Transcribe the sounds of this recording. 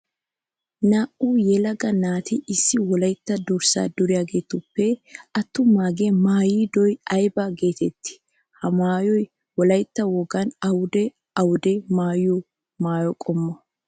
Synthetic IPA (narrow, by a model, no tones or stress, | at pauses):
naːʔuːjɛlɐɡɐnaːt̪ɪɪsːɪwɔlɐjt̪ːɐd̪ʊɾsa̰ːd̪ʊɾɪjaːɡe̞ːt̪ʊpːɛɐt̪ːʊmaːɡeːmaːjiːd̪ɔjɐjbɐɡe̞ːt̪ɛt̪ːɪ̥ | hɐmaːjɔj | wɔlɐjt̪ːɐwɔɡɐnɐwʊd̪ɛ | ɐwʊd̪ɛmaːju | maːjɔkʼɔmːɔ